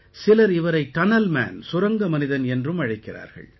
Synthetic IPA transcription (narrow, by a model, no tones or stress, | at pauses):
sɪlɐɾɪʋɐɾɐɪt̪ːɐnɐlma̰ːnsʊɾɐŋɡɐmɐnɪðɐnɛndrɯmɐɻɐɪkːɪra̰ːɾɣɐ̰ɭ